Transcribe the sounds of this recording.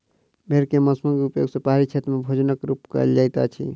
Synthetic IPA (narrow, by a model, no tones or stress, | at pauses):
bʱeɾkeməsməŋɡupjo̰ɡsə̃paɦaɾit͡ʃʰet̪ɾəmebʱod͡ʒnəkɾupkə̰ḛld͡ʒajt̪a̰t͡ʃʰḭ